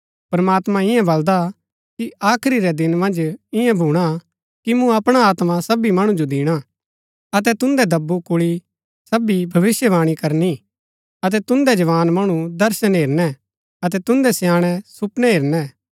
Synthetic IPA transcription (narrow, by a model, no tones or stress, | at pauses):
pɾɐmaːt̪mãɪjɛ̃bɐld̪a | kiaːkʰɾiɾɛd̪ɪnmɐ̃nd͡ʒɪjɛ̃bʱuːɽ̃a | kimũɐpɽ̃aaːt̪mãsɐbimɐɽ̃ũd͡ʒod̪ɪːɽ̃a | ɐt̪̬ɛt̪ʊ̃nd̪ɛd̪ɐbːukʊɭi | sɐbibʱɐʋɪsjəʋaːɽ̃ikɐɾni | ɐt̪̬ɛt̪ʊ̃nd̪ɛd͡ʒɐʋaːnmɐɽ̃ũd̪ɐɾʃənɦeːɾnɛ | ɐt̪̬ɛt̪ʊ̃nd̪ɛsjaːɽ̃ɛsʊpnɛɦeːɾnɛ